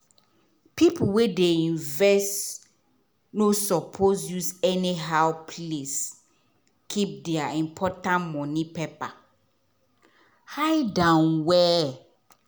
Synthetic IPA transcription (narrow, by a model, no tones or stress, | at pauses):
pʰipʰʊwɛdeĩɱvɛst | nosɔpʰozjuzɛniɦaʊpʰles | kʰip̚dɛaĩmpʰɔtãnmɔ̃nĩpʰepa | haɪdãnwɛ